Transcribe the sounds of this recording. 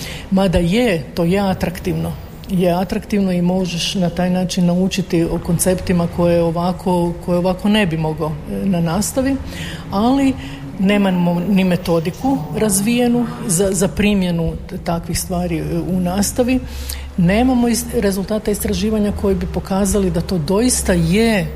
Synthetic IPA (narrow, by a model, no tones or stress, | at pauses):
mad̪ajet̪o̞ːjeat̪ɾakt̪iʋno | jeat̪ɾakt̪iʋno̞imo̞ʒeʃnat̪aːjnaːt͡ʃinːaut͡ʃit̪ioko̞nt̪se̞pt̪imakʰo̞jeoʋakʰo̞kʰo̞jeoʋako̞ne̞bimo̞ɡonanaːst̪aʋiali | ne̞ːmamonime̞t̪o̞d̪ikuɾazʋije̞nuzazapɾimje̞nut̪akʋixst̪ʋaːɾiunaːst̪aʋi | ne̞ːmamo̞iɾe̞zulˠt̪aːt̪aist̪ɾaʒiːʋaɲako̞jibipo̞kaːzalid̪at̪o̞ːd̪o̞ist̪aje